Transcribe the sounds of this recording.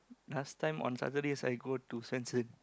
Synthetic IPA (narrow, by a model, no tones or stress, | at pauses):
nastãjmɔ̰̃nsa̰tədesa̰jɡotusɛ̃nsə̃n